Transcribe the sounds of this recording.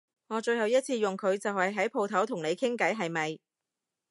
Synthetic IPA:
ŋɔː˨˧t͡ʃɵ˧ɥhɐ˨wjɐ˥t̚t͡sʰiː˧jʊ˨ŋkʰɵ˨˧ɥt͡sɐ˨whɐ˨jɦɐ˨˥jpʰo˧wt̪ʰɐ˨˥wt̪ʰʊ˨˩ŋne˨˧jkʰɪ˥ŋkɐ˨˥jɦɐ˨jmɐ˨j

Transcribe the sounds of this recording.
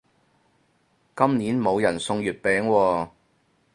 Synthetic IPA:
kɐ˥mniː˨˥nmo˨˧wjɐ˨˩nsʊ˧ŋjyː˨t̚pɛː˨˥ŋwɔː˧

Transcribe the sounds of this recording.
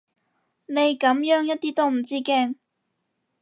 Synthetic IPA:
ne˨˧jkɐ˨˥mjœː˨˥ŋjɐ˥t̚t̪iː˥t̪o˥wm̩˨˩t͡siː˥kɛː˧ŋ

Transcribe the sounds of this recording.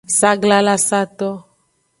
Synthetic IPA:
sa˦ɡla˦la˦sa˦t̪ɔ˦

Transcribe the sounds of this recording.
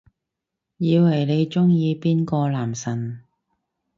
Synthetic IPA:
jiː˧whɐ˨˩jne˨˧jt͡ʃʊ˥ŋjiː˧piː˥nkɔː˧laː˨˩msɐ˨˩n

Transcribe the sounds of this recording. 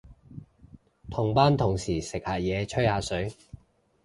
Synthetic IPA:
t̪ʰʊ˨˩ŋpaː˥nt̪ʰʊ˨˩ŋsiː˨˩sɪ˨k̚haː˨˩jɛː˨˧t͡ʃʰɵ˥jhaː˨˧˥sɵ˨˥ɥ

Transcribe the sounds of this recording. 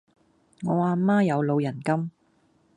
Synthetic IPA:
ŋɔː˨˧waː˨˧maː˥jɐ˨˧wlo˨˧wjɐ˨˩nkɐ˥m

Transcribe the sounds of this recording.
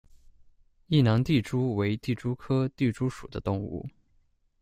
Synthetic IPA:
i˥˩nɑ˧˥ŋt̪i˥˩ʈ͡ʂu˥we˧˥ɪt̪i˥˩ʈ͡ʂu˥kʰɤ˥t̪i˥˩ʈ͡ʂu˥ʂu˨˩d̪ə˦t̪ʊ˥˧ŋṵ˥˩

